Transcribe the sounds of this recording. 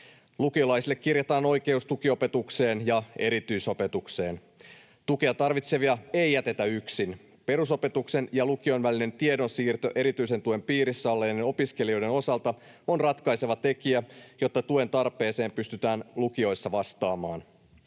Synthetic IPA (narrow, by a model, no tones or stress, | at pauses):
lukio̞lɑjsilːekːirjet̪ɑːno̞jke̞ust̪ukio̞pe̞t̪ukse̞ːnjɑe̞ɾit̪yiso̞pe̞t̪ukse̞ːn | t̪ukeɑt̪ɑrʋit̪se̞ʋiɑe̞jjːæt̪e̞t̪æyksin | pe̞ɾuso̞pe̞t̪ukse̞njɑlukio̞jnʋæline̞nt̪iedo̞nsiːrt̪øʔe̞ɾit̪yise̞nt̪ue̞mpiːɾisːæolːeneno̞piske̞lio̞jde̞no̞sɑlt̪ɑ | o̞nrɑt̪kɑjse̞ʋɑt̪e̞kiæjo̞t̪ːɑt̪ue̞nt̪ɑrpe̞ːse̞ːmpyst̪yt̪æːnlukio̞jsːɑʋɑst̪ɑːmɑːn